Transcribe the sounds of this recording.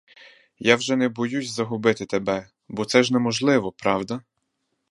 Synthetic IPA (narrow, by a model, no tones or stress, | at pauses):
jawʒɛnɛbɔjusʲzɐɦʊbɪt̪ɪt̪ebɛ | bɔt̪sɛʒnɛmɔʒlˠɪʋɔpɾɑwd̪ɐ